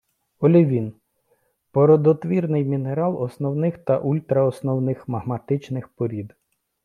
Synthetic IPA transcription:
ɔlʲɔʋʲin | pɔɾɔd̪ɔt̪ʋʲirnɪjmʲineɾɑlˠɔsnɔwnɪxt̪ɐʔulʲt̪ɾɐɔsnɔwnɪxmɐɦmɐt̪ɪt͡ʃnɪxpɔɾʲid̪

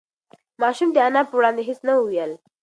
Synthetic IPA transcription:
mɑʃumd̪əanɑpəwɽɑnd̪eɦisnauwijəl

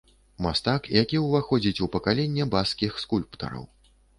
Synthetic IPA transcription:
mast̪akjakʲiwvaxɔd͡zʲit͡sʲupɐkalʲɛnʲːɛbaskʲixskulʲpt̪ɐ̰ɾɐ̰w

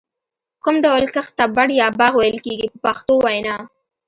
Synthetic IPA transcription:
kʊmɖawlkəxt̪abaɽjɑbɑɣwajəlkeɡipəpaxt̪owajnɑ

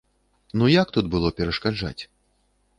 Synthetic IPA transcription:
nujakt̪ut̪̚bɨlˠɔpʲɛɾɐʂkad͡ʐa̰t͡sʲ

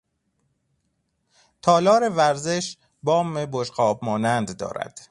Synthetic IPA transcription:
t̪ʰɒːlɒːɾevæɾze̞ʃ | bɒːmeboʃqɒːbmɒːnænd̪ːɒ̰ːɾæ̰d̪̥

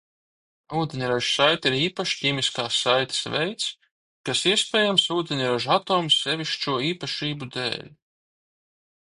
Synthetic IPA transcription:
uːd̪ʲenʲiɾaʒsajt̪iɾiːpaʃcʲiːmiskaːsːajt̪ḁsvɛ̰jt̪s | kasiɛspʲɛːjamsuːd̪ʲenʲɾaʒat̪ɔːmsːɛvʲiʃt͡ʃuɔiːpaʃiːbud̪ḛːlʲ

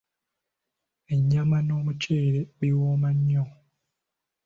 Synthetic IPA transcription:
e̞ɲːamano̞ːmuceːɾeβiwoːmaɲːo

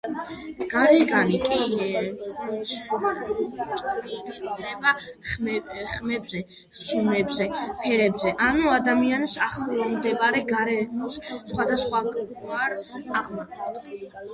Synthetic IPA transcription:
ɡ̥aɾɛɡanikʼi | ʃat͡ʃʼiɡinɛba | χmɛbzɛ | sumɛbzɛpʰɛɾɛbzɛʔanuad̪amiansaχlmd̪ɛbaɾɛɡaɾɛmussχwad̪asχwaɡaɾaʁmaɛd̪

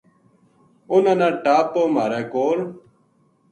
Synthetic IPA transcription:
ʊnanãːʈaːpːoːmaːɾeːkoːɾ

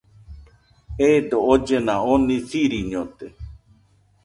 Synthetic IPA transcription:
ed̪ood͡ʒenãonĩθiɾiɲõt̪e

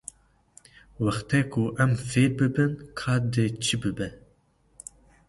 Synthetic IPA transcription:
wæxt̪ʰɛkʰuʔɛmfeːɾbɨbɨnkʰɑːd̪ɨt͡ʃʰɨbɨbɛ

